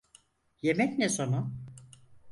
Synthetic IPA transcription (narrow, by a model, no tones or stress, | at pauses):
jemɛcnesonu